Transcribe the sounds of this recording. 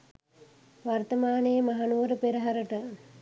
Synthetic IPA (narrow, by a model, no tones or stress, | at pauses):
ʋart̪əmaːnəjəmaɦanuʋəɾəpeɾəɦaɾəʈə